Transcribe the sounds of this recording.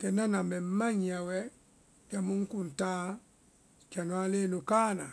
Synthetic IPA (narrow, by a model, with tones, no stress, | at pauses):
kɛ˨na˦na˨mɛ˨˦ma˦ɲi˨a˨wɛ˦ | ka˨mu˦ŋ̩˦ku˨n̩˨taː˦ | ka˨no˨˦a˦le˦nu˨kaː˦na̰˨